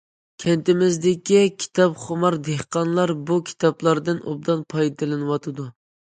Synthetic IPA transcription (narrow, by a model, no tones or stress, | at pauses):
kʲʰɛnt̪ɪmɪzd̪ɪkʲikʲʰi̥t̪ʰɑpχomɑɾd̪ehqɑnlˠɑɾbukʲʰi̥t̪ʰɑplˠɑɾd̪ɨnʔo̰b̚d̪ɑnpʰɑjd̪ɨlˠɨnɨwɑt̪ʰɨd̪u